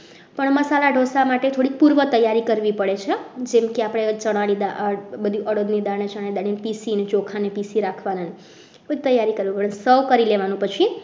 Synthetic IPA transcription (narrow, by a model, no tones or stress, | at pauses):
pəɳməsalaɖʱosamaʈet̪ʰoɽik̚puɾʋət̪əjaɾikəɾʋipəɽet͡ʃʰed͡ʒemkeapəɽ̃et͡ʃəɽ̃aɽid̪abəd̪ʱiʔəɽod̪nid̪anet͡ʃəɽ̃aid̪aɽinpisinet͡ʃokʰanepisiɾakʰʋanane | bəd̪it̪əjːaɾikəɾʋipəɭensəwkəɾileʋanũpət͡ʃʰi